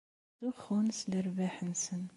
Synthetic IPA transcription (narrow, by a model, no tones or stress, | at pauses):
duxunsləɾbaħənsən